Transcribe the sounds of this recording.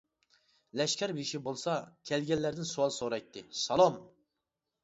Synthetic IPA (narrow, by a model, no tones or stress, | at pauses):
lɛʃkʲɛɾbiʃibolˠsɑkʲʰɛlɡʲɛlːæɾd̪ɪnsuwɑlˠsoɾɑjt̪ʰːɪsɑlˠɑm